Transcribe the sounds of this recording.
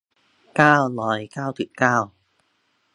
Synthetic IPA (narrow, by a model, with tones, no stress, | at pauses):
kaː˧wlɔː˨˩jkaː˧wt̪ʰḭ˧˨˩kaː˧w